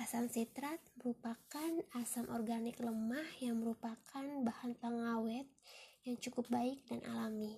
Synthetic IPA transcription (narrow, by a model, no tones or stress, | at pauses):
ʔasansit̪ɾat̪̚məɾupakanasamʔɔrɡanɪkləmahjaŋməɾupakʰanbahant̪aŋawɛt̪̚jaŋt͡ʃukʊp̚baɪk̚danʔa̰lami